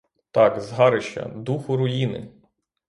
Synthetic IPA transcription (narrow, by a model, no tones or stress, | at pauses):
t̪ɑkzɦɑɾɪʃt͡ʃɐ̰d̪uxʊɾʊjinɪ̰